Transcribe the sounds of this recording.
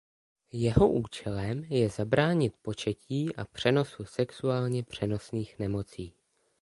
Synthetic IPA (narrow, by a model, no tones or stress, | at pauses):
jɛɦo̞ʔuːt͡ʃɛlɛmjɛzabɾaːɲɪt̪po̞t͡ʃɛcʰiːʔapr̝̥ɛno̞susɛksuaːlɲɛpr̝̥ɛno̞sniːxnɛmo̞t͡siː